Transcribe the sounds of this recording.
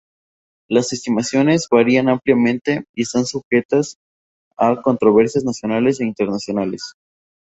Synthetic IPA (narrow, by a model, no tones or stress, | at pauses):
lase̞st̪imasjo̞ne̞zβaɾianampljamẽ̞nt̪e̞iest̪ansuxe̞t̪as | ako̞nt̪ɾo̞βe̞ɾsjaznasjo̞nale̞s̬e̞int̪eɾnasjo̞nale̞s